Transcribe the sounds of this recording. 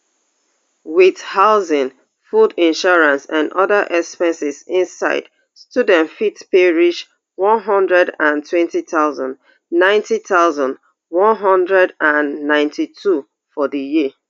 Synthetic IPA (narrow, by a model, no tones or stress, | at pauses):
wɪðhaʊzɪ̃ŋ | fudĩnʃɔɹãnsãndɔðaʔɛkspɛ̃nsɪzɪ̃nsa̰ɪd̥ | studɛ̃ntfitpeɹiʃ | wɔ̃nɦʌ̃ndɹɛdãntwɛ̃ntitaʊzã̰nd | nãɪ̃ntitaʊzãnd | wɔ̃nɦɔ̃ndɹɛdãnːãɪ̃ntʰitʰu | fɔðəji